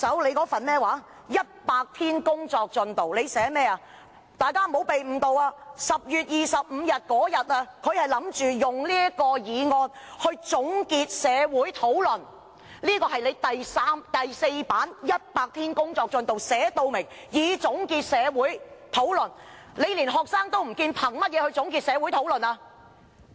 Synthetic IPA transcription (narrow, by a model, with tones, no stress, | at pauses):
sɐ˨˥wle˨˧jkɔː˨˥fɐ˨nmɛː˥waː˨˥ | jɐ˥t̚paː˧k̚t̪ʰiː˥nkʊ˥ŋt͡sɔː˧k̚t͡ʃɵ˨˧nt̪o˨wle˨˧jsɛː˨˥mɛː˥aː˧ | t̪aː˨jkaː˥m̩˨o˨˥wpe˨jm̩˨t̪o˨waː˧sɐ˨p̚jyː˨t̚jiː˨sɐ˨p̚m̩˨˧jɐ˨t̚kɔː˨˥jɐ˨t̚aː˧kʰɵ˨˧ɥhɐ˨jlɐ˨˥mt͡ʃyː˨jʊ˨˩ŋliː˥əkɔː˧jiː˨˧ŋɔː˧nhɵ˧ɥt͡sʊ˨˥ŋkiː˧t̚sɛː˨˧wuː˨˥jt̪ʰo˨˥wlɵ˨˩n | liː˥kɔː˧hɐ˨jle˨˧jt̪ɐ˨jsaː˥mt̪ɐ˨jse˧jpaː˨˥njɐ˥t̚paː˧k̚t̪ʰiː˥nkʊ˥ŋt͡sɔː˧k̚t͡sɵ˨˧nt̪o˨wsɛː˨˧˥t̪o˨wmɪ˨˩ŋ | jiː˨˧t͡sʊ˨˥ŋkiː˧t̚sɛː˨˧wuː˨˥jt̪ʰo˨˥wlɵ˨˩n | le˨˧jli˨˩nɦɔː˨k̚saː˥ŋt̪o˥wm̩˨˩kiː˧npʰɐ˨˩ŋmɐ˥t̚jɛː˨˧hɵ˧t͡sʊ˨˥ŋkiː˧t̚sɛː˨˧wu˨˥jt̪ʰo˨˥wlɵ˨˩naː˧